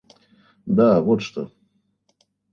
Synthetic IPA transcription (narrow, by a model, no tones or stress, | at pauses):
d̪awot̪ʂt̪o